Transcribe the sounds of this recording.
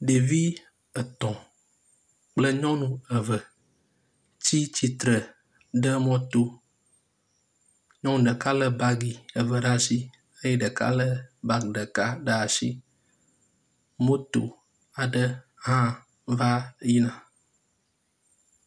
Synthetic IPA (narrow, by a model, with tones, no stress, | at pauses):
ɖe˨vi˦ | ə˨t̪ɔ̃˨ | k͡plə˦ɲɔ̃˦nũ˦ə˨və˨ | t͡ɕi˦t͡ɕi˨t̪ɾə˨ | ɖə˦mɔ̃˦t̪o˦ | ɲɔ̃˦nũ˨ɖə˨ka˦lə˦ba˦ɡi˨ə˨və˨ɖa˦si˦ | ə˦jɛ˦ɖə˨ka̰˦lə˦ba˦ɡɖə˨ka˦ɖa˦a˨sḭ˦ | mo˦t̪o̰˨ | a˨ɖə˦ | ɦã˦ | va˦ji˦nã˨